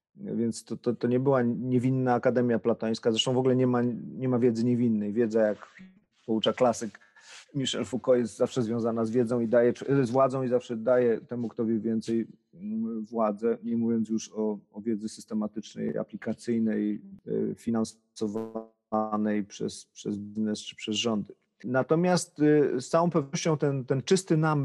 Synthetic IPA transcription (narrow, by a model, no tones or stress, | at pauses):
vʲjɛnt̪st̪ɔt̪ɔt̪ɔɲɛbɘwaɲɛvʲinːaːkad̪ɛmʲjaplat̪aj̃skazɾɛʂt̪ɔ̃w̃vɔɡulɛɲɛmaɲɛmavʲjɛd̪zɘɲɛvʲinːɛjvʲjɛd̪zɛjak | pɔut͡ʂaklasɘk | mʲiʂɛ̰lfukɔjɛs̬t̪zafʂɛzvʲjɔ̃w̃zanazvʲjɛd̪zɔ̃w̃id̪ajɛɛsvwad̪zɔ̃w̃izafʂɛd̪ajɛt̪ɛmukt̪ɔvʲjɛvʲjɛnt̪sɛj | vwad̪zɛɲɛmuvʲjɔnt̪juʂɔːvʲjɛd̪zɘsɘst̪ɛmat̪ɘt͡ʂnɛ̰ja̰plʲikat̪sɘjnɛj | fʲinans | ɔv | anɛjpʂɛ̰spʂɛzbʲiznɛst͡ʂɘ̥pʂɛzʐɔnd̪ɘ | nat̪ɔmʲjast̪st̪sawɔ̃w̃pɛvnɔɕt͡ɕɔ̃w̃t̪ɛnt̪ɛnt͡ʂɘst̪ɘnam